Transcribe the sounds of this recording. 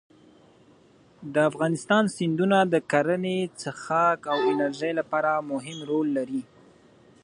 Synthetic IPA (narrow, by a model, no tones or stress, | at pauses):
d̪əafɣɑnɪst̪ɑnsɪnd̪unad̪əkaɾənet͡səxɑkawɪnaɾʒəjlapɑɾamʊɦɪmɾolːaɾi